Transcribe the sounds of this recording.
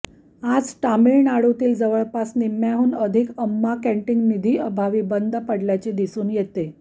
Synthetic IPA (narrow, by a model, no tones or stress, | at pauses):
ad͡zʈamiɭnaɽot̪iːld͡zəʋəɭpasnimaɦuːnəd̪ʱikəmːakɛ̃ɳʈiŋɡnid̪ʱiːəbʱaʋiːbənd̪pəɽljat͡ɕed̪isuːnjet̪e